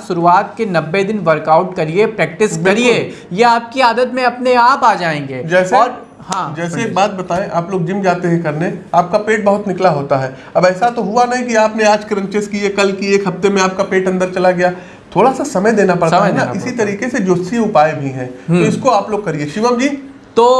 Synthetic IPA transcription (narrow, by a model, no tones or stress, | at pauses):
ʃʊɾuaːt̪̚kenɐbːed̪ɪnʋɐɾkaʊʈkɐɾiepɾɛːk̚ʈɪskbɪɐɾieːjeaːp̚kiaːd̪ət̪mẽɐpneaːpaːd͡ʒaːẽːŋɡeːd͡ʒɛːseɔːɾ | hãːd͡ʒɛːseeːk̚baːt̪̚bɐt̪aːẽʔaːploːɡ̚d͡ʒɪmd͡ʒaːt̪eɦɛ̃kɐɾneaːp̚kapeːʈ̚bɐɦʊt̪nɪklaɦoːt̪aɦɛː | ɐbɛːsat̪oɦuanɐɦĩkiaːpneaːd͡ʒkɐɾə̃nt͡ʃɪskiekɐlkiekɦɐft̪emẽaːp̚kapeːʈɐ̃nd̪əɾt͡ʃɐlaɡɐjaː | t̪ʰoːɽasasɐməjd̪eːnapɐɽtaɦɦɛaʔɪsit̪ɐɾiːkesed͡ʒoːsiẽʊpaːebʱiɦɛ̃ːt̪oɪskoaːploːɡkɐɾieʃɪʋəmd͡ʒiː | t̪oː